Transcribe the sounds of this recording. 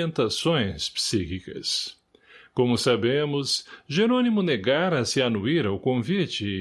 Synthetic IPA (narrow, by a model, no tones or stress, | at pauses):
ẽnt̪asõj̃spsikikɐ̰s | kõmʊsabẽmʊsʒeɾõnimʊneɡaɾɐsɪanuiɾawkõvit͡ʃɪ